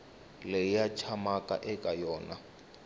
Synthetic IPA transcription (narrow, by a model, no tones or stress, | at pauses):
lɛjat͡ʃʰamakʼa̰ʔɛkʼajɔːna